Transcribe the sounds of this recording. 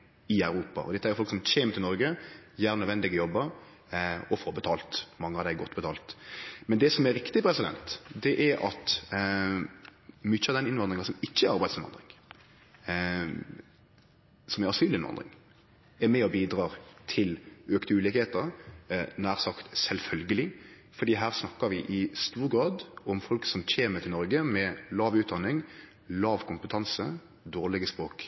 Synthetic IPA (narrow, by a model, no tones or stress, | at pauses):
ɪœʉɾuːpɑ̰ʔɔ̰d̪ɛt̪ːəæɾjʊfɔlksɔmçeːmət̪ʰɪlnɔɾɡəjæːɾnœd̪ʋɛnd̪ɪɡəjɔbːəɾ | ɔfoːɾbət̪ʰɑːlt̪mɑŋːəɑd̪æɪɡɔt̪ːbət̪ʰɑːlt̪mɛnd̪ɛsɔmɛɾɪkt̪ɪpʰɾɛsɪd̪ɛ̰nt̪d̪ɛʔɛɾɑ̰t̪ | mʏçːəɑʋd̪ɛnɪnʋɑnd̪ɾɪŋəsɔmɪçːəæɾɑɾbæɪd̪sɪnɑ̰nd̪ɾɪŋ | sɔmɛɾɑsyːlɪnʋɑ̰nd̪ʁɪ̰ŋ | ɛmɛɔbiːd̪ʁɑːʁt̪ʰɪløːkt̪əʉːlɪkheːt̪əɾnæːʁsɑkt̪sɛlfœlɡəlɪ | fɔɾd̪iːɦæːʁsnɑkːəʋɪʔɪst̪uːɾɡɾɑːd̪ɔmfɔlksɔmc͡çeːmət̪ʰɪlɔɾɡəmɛlɑːʋʉːt̪̚d̪ɑnɪŋ | lɑːʋkʰʊmpət̪ʰɑnsə | d̪oːʁlɪɡəspɾoːk